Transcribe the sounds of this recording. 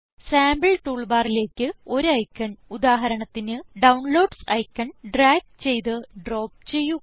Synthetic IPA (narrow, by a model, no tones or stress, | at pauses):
saːmbɐɭʈuːɭbaːrile̞ːkʲːɨo̞ɾɐjkːɐɳud̪aːɦɐɾɐɳɐt̪ːinɨɖɐwnlo̞ːɖsɐjkːɐɳɖraːɡ̚t͡ɕe̞jt̪ɨɖro̞ːp̚t͡ɕe̞jːu